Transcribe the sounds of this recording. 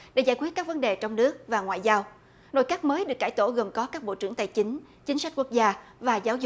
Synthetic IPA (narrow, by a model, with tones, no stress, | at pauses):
ɗḛ˧˥˩zaː˧˩jkwi˦˥ət̚kːaː˦˥k̚və˨˦nɗe˨˩t͡ɕɔ˧wŋ͡mnɨ˦˥ək̚vaː˨˩ŋwa̰ː˧˨jzaː˧w | no̰˧˨jkaː˦˥k̚məː˨˦jɗɨ˨˩əkːaː˧˩jt̪o˧˩ɣə˨˩mkɔ˨˦kaː˦˥k̚ɓo̰˧˨t͡ɕɨ˧˩əŋt̪aː˨˩jt͡ɕï˨˦ŋ̟ | t͡ɕï˨˦ŋ̟sa˦˥k̟̚ku˦˥ək̚zaː˧vaː˨˩zaː˨˦wzʊ˨˩k͡p̚